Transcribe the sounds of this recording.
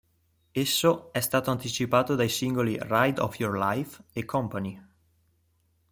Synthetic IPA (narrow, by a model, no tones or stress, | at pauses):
esːoɛst̪aːt̪oant̪it͡ʃipaːt̪od̪ajsiŋɡolirajd̪ɔ̰fjorlajfekʰɔmpani